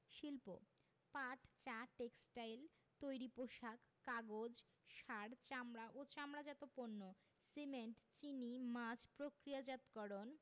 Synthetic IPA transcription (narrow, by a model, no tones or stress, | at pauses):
ʃilpo̰ | paʈt͡ɕaʈeksʈajl | t̪ojɾipoʃakːaɡod͡ʑ | ʃaɽt͡ɕamɾaʔot͡ɕamɾad͡ʑat̪oponːo | semeɳʈt͡ɕinimad͡ʑpɾokɾijad͡ʑat̪kɔɾon